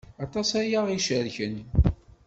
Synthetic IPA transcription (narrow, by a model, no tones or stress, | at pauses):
ɑt̪ˤɑsæjaʁiʃəɾçən